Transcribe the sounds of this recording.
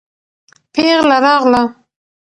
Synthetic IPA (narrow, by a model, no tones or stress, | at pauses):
peɣlaɾɑɣla